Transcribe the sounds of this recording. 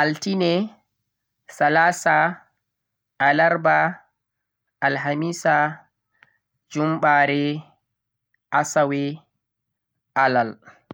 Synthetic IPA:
ʔaltinɛ | salaːsa | alaɾba | alɦamiːsa | d͡ʒumɓaːɾɛ | ʔasawɛ | ʔalal

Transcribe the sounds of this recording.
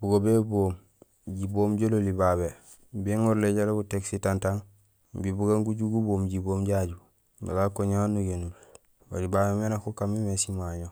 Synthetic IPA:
buɡobeboːm | ɟiboːmɟololibaβe | biŋoɾleɟalobuteksitantaŋ | bibuɡaŋɡuɟuɡuboːmɟiboːmɟaɟu | ba̰ɡakoɲanːuɡenul | wa̰libabemenakokamimesimaɲo

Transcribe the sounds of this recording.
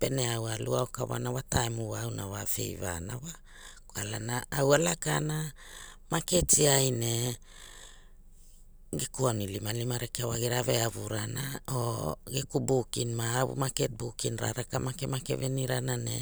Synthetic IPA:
pe̞neawaluaokaβa̰nawataemuwaːwnawafe̞̰jva̰nawa | koalanaːwalakana | maketiajine̞ | ɡekuanilimalimaɾekeawaɡiɾave̞aβuɾanaoɡekubukinmaːβṵmaket̚bukinɾa̰ɾakamakemake̞veniɾanane̞̰

